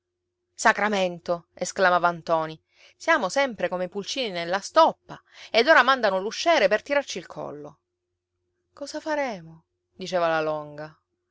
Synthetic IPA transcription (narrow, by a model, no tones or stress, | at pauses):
sakɾament̪oesklamaːvant̪ɔːni | sjaːmosɛmpɾekomepult͡ʃiːninelːast̪ɔpːa | ed̪oːɾamand̪anoluʃːɛːɾepert̪iɾart͡ʃilkʰɔ̰lːo | kɔːzafaɾɛːmo | d̪it͡ʃeːvalalɔŋɡa